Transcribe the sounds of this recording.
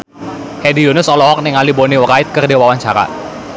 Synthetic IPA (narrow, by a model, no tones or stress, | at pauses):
hedijonʊsɔlɔɦɔk̚nɛŋaliboniwɾaɪt̪̚kərdewawaɲt͡ʃaɾa̰